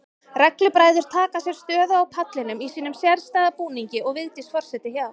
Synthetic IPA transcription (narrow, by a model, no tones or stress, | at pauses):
rɛklʏpɾaːjðʏɾ̥t̪ʰaːkasjɛɾ̥st̪œːðʏawpʰat̪lɪnʏmisiːnʏmsjɛɾst̪aːðapuːniɲcɪʔɔɣvɪðt̪ɪsfɔr̥sɛt̪ɪçjaða